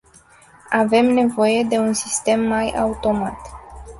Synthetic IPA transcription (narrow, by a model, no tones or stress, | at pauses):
ave̞mne̞vo̞je̞d̪e̞unsist̪e̞mːaja̰ut̪o̞mat̪